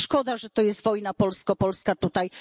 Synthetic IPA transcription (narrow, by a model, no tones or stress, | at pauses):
ʂkɔd̪aʐɛt̪ɔjɛst̪vɔjnapɔlskɔpɔlskat̪ut̪aj